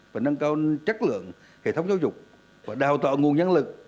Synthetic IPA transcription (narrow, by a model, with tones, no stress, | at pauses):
vaː˨˩nə˧ŋkaː˧wt͡ɕə˦˥k̚lɨ̰˧˨əŋ | hḛ˧˨t̪ʰə˨˦wŋ͡mzaː˧wzʊ˨˩k͡p̚ | vaː˨˩ɗaː˨˩wt̪a̰ː˧˨ŋu˨˩ənɲə˧nlɨ˨˩k̚